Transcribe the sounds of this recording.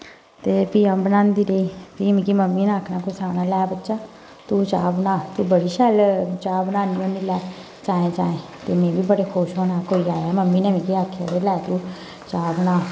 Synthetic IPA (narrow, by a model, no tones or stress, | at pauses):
t̪eːpiːãːbənãːnd̪iːɾeiːpiːmĩkiməmːiːnaːkʰnaːkʊsaːnaːlɛːbətːʃaː | t̪uːt͡ʃaːbnãːt̪uːbəɽiːʃɛːlt͡ʃaːbənãːniːõːnd̪iːlɛː | t͡ʃaːẽːt͡ʃaːẽːt̪eːmẽːbiːbəɽeːkʰoːʃɦoːnaːkoːiːaːɛːməmːiːnɛmĩkiaːkʰːa̰ːd̪eːlɛːt̪uː | t͡ʃaːbnaː